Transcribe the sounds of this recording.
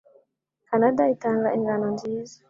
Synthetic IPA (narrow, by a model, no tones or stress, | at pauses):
kanadaitaŋɡaɛŋɡanɔnd͡ʒiːzi̥